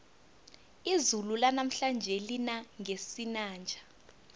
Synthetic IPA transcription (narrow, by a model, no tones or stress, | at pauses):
izululanam̩ɬand͡ʒʱɛlinaŋʱesinaːnd͡ʒʱḁ